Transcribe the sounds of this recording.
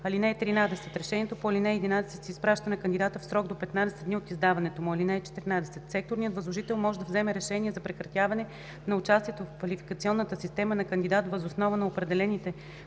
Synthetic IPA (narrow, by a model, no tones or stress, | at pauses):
ɐlinɛːt̪ɾinad̪ɛsɛt̪ɾɛʃɛniɛt̪opoɐlinɛɛɛd̪inad̪ɛsɛt̪siispɾaʃt̪ɐnɐkənd̪id̪at̪əfsɾɔɡd̪opɛt̪nad̪ɛsɛd̪d̪niot̪izd̪avɐnɛt̪omʊɐlinɛɛt͡ʃɛ̥t̪iɾnad̪ɛsɛt̪sɛk̚t̪oɾnijət̪vɐzlˠoʒit̪ɛlˠmɔʒɛd̪ɐvzɛmɛɾɛʃɛniɛzɐpɾɛkɾɐt̪ʲjavɐnɛ | nɐʊt͡ʃast̪iɛt̪ofkvɐlifi̥kət̪siɔnːət̪əsist̪ɛmənɐkənd̪ʲid̪at̪vəzosnɔvənɐopɾɛd̪ɛlɛnit̪ɛ